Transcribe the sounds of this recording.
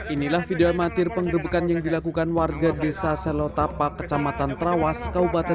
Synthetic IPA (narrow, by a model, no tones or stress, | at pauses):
ʔinilahfideamat̪ɪrpəŋɡəɾəbəkanjaŋdilakukanwarɡadesasəlot̪apakːə̥t͡ʃamat̪ant̪ɾawaskaupat̪ɛ